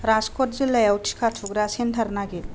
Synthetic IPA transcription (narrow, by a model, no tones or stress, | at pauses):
ɾaskɔtzilɐjawtʰi̥kʰatʰuɡɾasent̪ʰɐɾnaɡil